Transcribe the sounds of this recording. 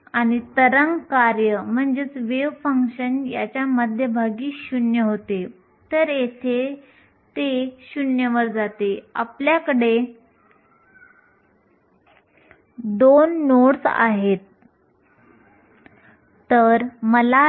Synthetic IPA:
añit̪əɾəŋɡkaɾjəm̤əɳd͡ʑet͡sʋeʋfəŋkɕənjat͡ɕjaməd̪ʱjəbʱaɡiːɕunjəɦot̪e | t̪əɾjet̪ʰe | t̪eɕunjəʋəɾd͡zat̪ea̰pljakəɽe | d̪onːoɽsa̰ɦet̪ | əɾməla

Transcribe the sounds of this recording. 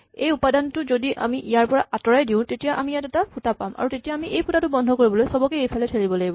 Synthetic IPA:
ejupadantʊzodiʔa̰miʔijaɹpɔɹaʔatɔɹajdiʊ̃tetijaʔamijatɛtapʰutapama̰ɹutetijaːmiʔejpʰutatʊbɔndʱɔkoɹibɔlojsɔbɔkɛejpʰalɛtʰelibɔlaɡibɔ

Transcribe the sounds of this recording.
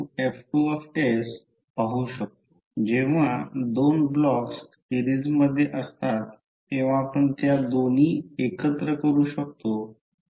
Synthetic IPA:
ɛfʈuɔfʈes | paɦuːɕək̚t̪o̥ | d͡ʑeʋ̤ad̪onblɔkssiɾid͡zməd̪ʱːjeʔəst̪at̪ː | eʋ̤aːpəɳt̪jad̪on̤iːekət̪ɾəkəɾuːɕək̚t̪o

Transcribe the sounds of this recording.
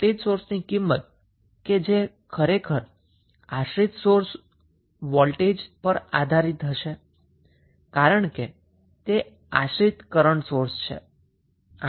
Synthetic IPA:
ʈed͡ʒsoɾsnikimːət̪̚ | ked͡ʒe | kʰəɾekʰəɾ | aʃɾit̪soɾs | ʋɔlʈed͡ʒpəɾa̰d̪ʱaɾit̪ʰəʃe | kaɾəɳke | t̪e | a̰ʃɾit̪kəɾəɳsoɾst͡ʃʰḛ

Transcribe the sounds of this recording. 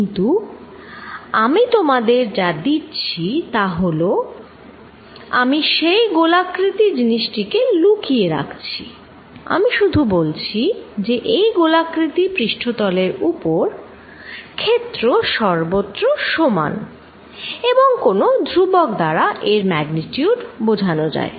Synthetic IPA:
int̪u | amit̪omad̪eɾd͡ʑad̪itːɕʰit̪aɦolo | a̰miʃejɡolakɾit̪id͡ʑiniʃʈikelukieɾa̰kʰt͡ɕʰḭ | a̰miʃud̪ʱubolt͡ɕʰid͡ʑeʔejɡolakɾit̪ipɾiʃʈʰod̪ɔleɾupoɾ | kʰet̪ːɾoʃɔɾbot̪ːɾoʃoma̰n | eboŋkonod̪ʱɾubokd̪aɾaʔeɾmɛɡnitiuɖbod͡ʑʱanod͡ʑa̰e

